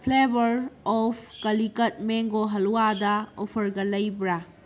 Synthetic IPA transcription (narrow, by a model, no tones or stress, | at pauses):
pʰlebɐɾɔpʰkɐlikɐt̚meŋɡoɦɐluwadɐopʰɐɾɡɐlɐjbɾa